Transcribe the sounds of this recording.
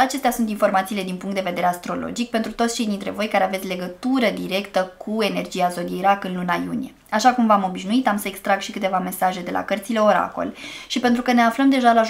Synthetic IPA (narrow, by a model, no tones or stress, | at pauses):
at͡ʃe̞st̪ʲasunt̪info̞rmat̪siːle̞d̪inpuŋkt̪d̪eve̞d̪e̞ɾeast̪ɾo̞lo̰d͡ʒik̚pe̞nt̪ɾut̪ot̪st͡ʃe̞jd̪int̪ɾe̞̰vo̞jkaɾe̞avet̪sʲle̞ɡət̪uɾəd̪iɾe̞kt̪əkʰue̞ne̞rd͡ʒiazo̞d̪iejɾakɨnlunajṵnije̞ | aʃakumvamo̞biʃnuit̪amsəekst̪ɾaɡʃikɨt̪e̞vame̞saʒe̞d̪e̞la̰kərt̪sile̞o̞ɾa̰ko̞̰lʃipe̞nt̪ɾukəne̞afləmd̪e̞ʒalaʒ